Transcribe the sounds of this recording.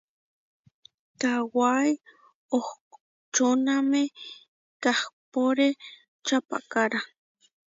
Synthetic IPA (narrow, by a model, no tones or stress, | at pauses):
kawaj | oh | t͡ʃoname | kahpoɾe | t͡ʃapa̰kaɾa